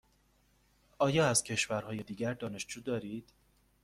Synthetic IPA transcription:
ɒːjɒːæz̥cʰe̞ʃvæɾɦɒːje̞d̪iːɟæɾd̪ɒːne̞ʃd͡ʒuːd̪ɒːɾiːd̪̥

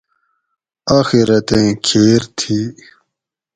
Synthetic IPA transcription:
aːxiɾɐt̪ẽːkʰeːɾt̪ʰi

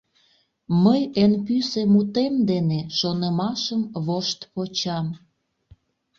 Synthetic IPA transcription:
məjenpysemut̪emd̪eneʃonəmɑʃəmβoʃt̪pot͡ɕɑm

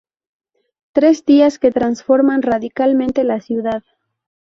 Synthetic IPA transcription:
t̪ɾe̞zðiasket̪ɾansfo̞ɾmanraðikalmẽnt̪elasjuðað

